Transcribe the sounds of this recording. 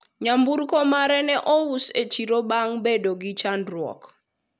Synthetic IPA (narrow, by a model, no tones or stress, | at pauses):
ɲambuɾkɔmaɾɛnɛʔɔuset͡ʃiɾobaŋbedoɡɪt͡ʃanɾwɔ̰k